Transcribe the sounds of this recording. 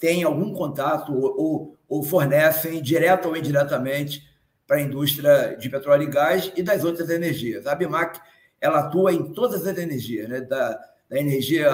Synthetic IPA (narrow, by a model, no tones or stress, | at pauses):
t̪ẽj̃awɡũkõnt̪at̪ʊo | ofoɾnɛsẽj̃d͡ʒiɾɛt̪ɐoĩd͡ʒiɾɛt̪ɐmẽnt͡ʃɪ̥ | pɾɐĩnd̪uʃt̪ɾʲiɐd͡ʒɪpet̪ɾɔliɡasɪd̪ɐzowt̪ɾɐzeneɾʒiɐzɐbimak | ɛlɐat̪uɐẽj̃t̪od̪ɐzɐzeneɾʒiɐznɛd̪ɐ | d̪ɐeneɾʒiɐ